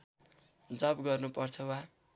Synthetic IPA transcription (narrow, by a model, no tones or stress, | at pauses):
d͡zʌbɡʌrnupʌrt͡sʰʌwa